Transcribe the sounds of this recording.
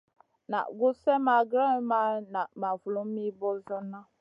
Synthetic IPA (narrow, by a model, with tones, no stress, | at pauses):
na̰˨ɡʊ˦sɛ˦ma˨ɡɾa˦ma˦na˨ma˨vu˨lo˨m̩˦mi˦bɔ˦zʊ˦na˦